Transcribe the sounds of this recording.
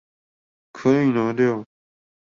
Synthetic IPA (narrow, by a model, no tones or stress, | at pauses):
kʰəĩːnõːɗɪjoː